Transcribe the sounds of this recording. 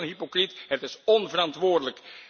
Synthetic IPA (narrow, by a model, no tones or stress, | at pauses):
ənɦipokritɦətɪsɔnvərɑntʋʊːɹdələk